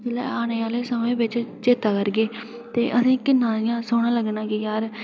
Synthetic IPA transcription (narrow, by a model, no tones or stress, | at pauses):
ɪlɛ̰ːaːneːaːleːsəmẽːʋɪt͡ʃt͡ʃeːt̪aːkəɾɡeː | t̪ḛːʔəsĩːkɪnːãːɪjãːsoːɽ̃ãːləɡnãːkijaːɾ